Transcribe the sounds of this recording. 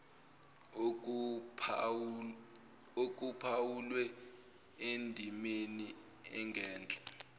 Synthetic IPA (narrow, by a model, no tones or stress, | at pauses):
ok̬ʼupʰawulwɛ | endʱimeni | ɛ̰ŋɡʱɛːnt͡ɬʼḁ